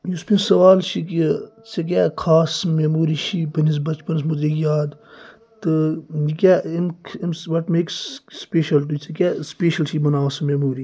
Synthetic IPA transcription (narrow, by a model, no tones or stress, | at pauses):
juspinsɐʋaːlʃikit͡ʃek̬ʲɛːkʰaːsmemuːɾiʃipɐnizbɐt͡ʃpɐns̬mud̪ɾikjaːd̪ | t̪ɨjikʲɛimkimsʋɐʈmeːksːpeːʃɐlʈ̬ut͡ʃʰɐkʲɛspeːʃɐlʃibɐnaːwsmemuːɾi